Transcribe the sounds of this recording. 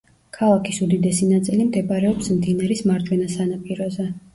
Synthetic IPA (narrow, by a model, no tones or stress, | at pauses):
kʰalˠakʰisud̪id̪ɛsinat̪sʼilimd̪ɛpʼɾɛɔpsmd̪inaɾismaɾd͡ʒwɛnasanapʼiɾɔzɛ